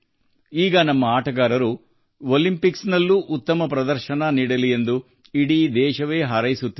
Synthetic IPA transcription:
iːɡɐnɐmːɐaːʈɐɡaːɾɐɾu | olimpiksnɐlːuʔut̪ːɐmɐpɾɐd̪ɐɾʃɐnɐniːɽɐlie̞nd̪u | iɽid̪ɛːʃɐʋe̞ːɦɐɾɐjisut̪ːi

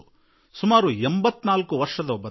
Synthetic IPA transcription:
sumaːɾuembɐt̪ːnaːlkuʋɐɾʂɐd̪ɐɔbːɐ

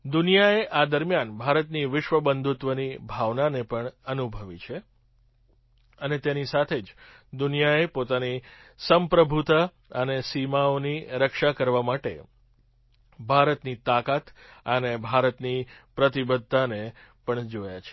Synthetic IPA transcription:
d̪unijaeʔad̪əɾmjanbʱaɾət̪niʋɪʃʋəbənd̪ʱut̪ʋənibʱaʋnanepəɳənubʱəʋit͡ʃʰe | ənet̪enisat̪ʰed͡ʒ | d̪unijaepot̪anisəmpɾəbʱut̪ə | ənesimaoniɾəkʃakəɾʋamaʈḛ | bʱaɾət̪nit̪akat̪ənebʱaɾət̪nipɾət̪ibəd̪ʱːanepəɳd͡ʒoja̰t͡ʃʰe̥

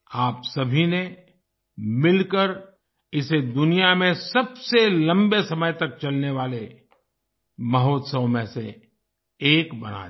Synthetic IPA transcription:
aːpsɐbʱine | mɪlkəɾ | ɪsed̪ʊnijamẽsɐbselɐ̃mbesɐməjt̪ɐk̚t͡ʃɐlneʋaːle | mɐɦoːt̪səʋmẽse | eːkbɐ̰na̰ː

